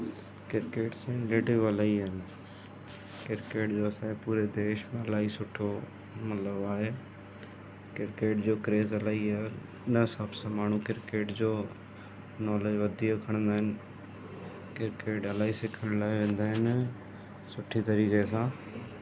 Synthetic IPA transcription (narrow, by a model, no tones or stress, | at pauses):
kɪɾkeːʈsẽːnleːʈɪʋəlaːiɦɪn | kɪɾkeːʈd͡ʑoːɐsãpuːɾed̪eːʃmẽɐlaːisʊʈʰːo | mət̪ləbaːɦe | kɪɾkeːʈd͡ʑoːkɾeːzəlaːiaː | nəsabsãmaːɳ̤̃ũkɪɾkeːʈd͡ʑoː | nɔːled͡ʒʋəd̪iːokʰəɽ̃ə̃nd̪aːɦɪn | kɪɾkeːʈɐlaːisɪkʰəɽ̃laːeʋẽːnd̪aːɦɪn | sʊʈʰːit̪ɐɾiːkesãː